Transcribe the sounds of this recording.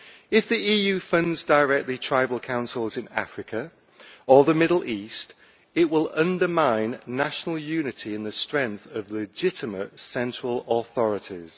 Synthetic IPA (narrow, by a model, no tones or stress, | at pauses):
ɪfðiiːjʉːfʌ̃ndzdəɹɛk̚tˡlitʰɹ̥aɪbəlˠkʰãʊ̃nsəl̩ˠzɪ̃na̰fɹɪkʰə | əðəmɪdˡl̩ˠiˑst | ɪʔwɪlʌ̃ndəmãɪ̃nːaʃənəlˠjʉːnɪtʰiɪ̃nðəstɹ̥ɛ̃ŋkθəvlɪd͡ʒɪtɪmətsɛ̃nt͡ʃɹ̥ələθɒɹɪtʰɪ̰z̥